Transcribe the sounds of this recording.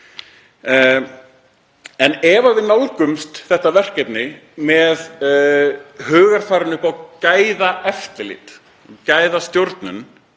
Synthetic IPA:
ɛnɛvavɪðnawlkʏmst̪θɛht̪avɛr̥kɛt̪nɪmɛð | hœːɣaɾ̥faːɾʏnʏhpawcaːjðaʔɛft̪ɪlɪ̰t̪ | caːjðast̪jowɾt̪nʏ̰n

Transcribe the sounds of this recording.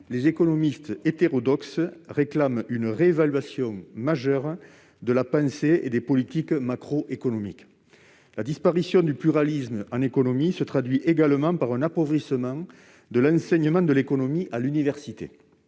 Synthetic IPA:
lezekonomist̪əet̪eʁɔd̪ɔksʁeklamynəʁeevalɥasjɔ̃ŋmaʒœʁ | d̪əlapɑ̃seḛd̪epɔlit̪ikmakχɔʔekonomḭk | lad̪ispaʁisjɔ̃d̪yplyʁalizmɑ̃nekonomisət̪χad̪ɥiʔeɡaləmɑ̃paʁɛ̃napɔvʁisəmɑ̃ŋ | d̪əlɑ̃sɛɲəmɑ̃d̪əlekonomiʔalynivɛʁsit̪ḛ

